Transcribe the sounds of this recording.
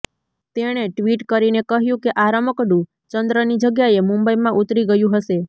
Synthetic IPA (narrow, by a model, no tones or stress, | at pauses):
t̪eɽ̃eʈʋiʈkəɾinekəɦjũkeʔaɾaməkɖũ | t͡ʃənd̪ɾənid͡ʒəɡjaemũmbəjmãʔut̪ɾiɡəjũɦəʃe